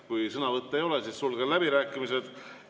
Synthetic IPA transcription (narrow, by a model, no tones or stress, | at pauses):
kujsɤnɑvɤt̪ˑːejo̞lesisːulɡ̥ɑlæbiɾæːkːˑimise̞d̪̥